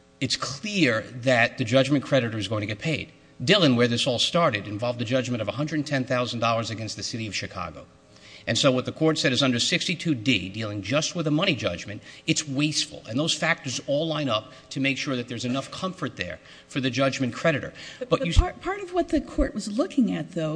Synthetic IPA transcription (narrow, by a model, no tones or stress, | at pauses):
ɨtskʰl̥ɪɹðɨt̪̚ðɨd͡ʒʌd͡ʒmɨ̃nkʰɹ̥ɛɾɨɾə˞ɨzɡoʊɪ̃ŋtɨɡɛt̚pʰeɪd̥̚ | dɪlˠɪ̃ŋwə˞ðɪsɔlˠstɑɹɾɨɾɨ̃ɱvɑlˠvd̪ðɨd͡ʒʌd͡ʒmɨ̃ñʌvəɦʌ̃ndɹɨdⁿn̩tʰɛ̃nθaʊzn̩dɔlˠə˞zɨɡɛ̃nst̪̚ðɨsɪɾiʌv̥ʃɨkʰɑ̰ɡo̰ʊ | ʔɨ̃nsoʊwʌt̪̚ðɨkʰɔɹtsɛɾɨzʌ̃ndə˞sɪkstitʰʉdidilˠɪ̃ŋd͡ʒʌst̚wəðəmʌɾ̃id͡ʒʌ̰d͡ʒmɨ̃ntɨtsweɪstfl̩ˠə̰̃nðoʊz̥fæk̚tə˞zɔlˠlãɪ̃nʌp̚ | tʰɨmeɪkʃʊɹðɨt̪̚ðə˞zɨnʌfkʰʌ̃ɱfə˞t̪̚ðə̰˞ | fə˞ðɨd͡ʒʌd͡ʒmɨ̃nkʰɹ̥ɛɾɨɾə̰˞b̥ʌt͡ʃɨpʰɑɹɾʌvwʌt̪̚ðɨkʰɔɹʔwʌzlʊkɪ̃ŋɨt̪̚ðoʊ